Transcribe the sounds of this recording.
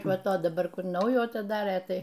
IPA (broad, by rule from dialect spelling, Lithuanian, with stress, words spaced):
ˈʋɐ ˈtoː dɐˈbɐr ˈkʊr ˈnɐʊjuː ɐtʲɪˈdɑːrʲeː ˈtɐɪ